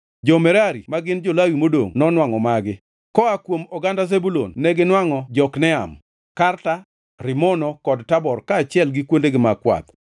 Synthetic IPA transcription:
d͡ʒɔmɛɾaɾimaɡɪnd͡ʒolawimodo̰ŋnɔnwaŋɔmaɡɪ | kɔakwomɔɡandazebulo̰nːɛɡɪnwaŋɔd͡ʒɔknɛa̰m | karta | ɾɪmɔnɔkɔdtabɔrkaːt͡ʃɪɛlɡɪkwondeɡɪmakwa̰t̪

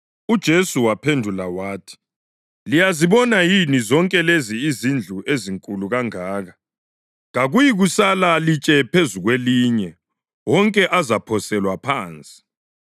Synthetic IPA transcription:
ud̥ʒ̥ʱesuwapʰendʱulawaːtʰi̥ | lijaziβɔnajinizɔŋkʼɛleziːzind͡ɮʱueziŋkʼuluɣaŋaːɣa | ɣaɣujiɣusalalit͡ʃʼɛpʰezuɣweliɲɛ | wɔŋkʼɛʔazapʰɔsɛlwapʰaːnt͡sʼi̥

